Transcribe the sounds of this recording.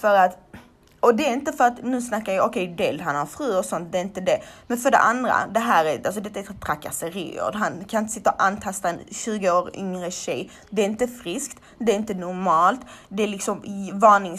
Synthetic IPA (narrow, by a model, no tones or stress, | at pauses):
fœɾat̪ | ɔd̪ɛːɾɪnt̪əfœɾat̪nʉ̟ːsnakːaɾjɑɔkʰɛjd̪ɛlɦanhaɾfɾʉ̟ːɔsɔnt̪̚d̪ɛːɾɪnt̪əd̪ɛmɛnfœɖɛ̰ʔand̪ɾa̰d̪ɛɦæːɾɛɾals̬ɔd̪ɛt̪ːaɛɾt̪ʰɾakːa̰səɾḭːo̰ːd̪ɦankʰanɪnt̪əsɪt̪ːaɔʔanːt̪ʰast̪aɛnɕʉ̟ːɡəoːɾʏ̰ŋɾəɕɛj | d̪ɛːɾɪnt̪əfɾɪskt̪ | d̪ɛːɾɪnt̪ənʊɾmɑːlt̪d̪ɛælɪksɔmvɑːɳɪŋ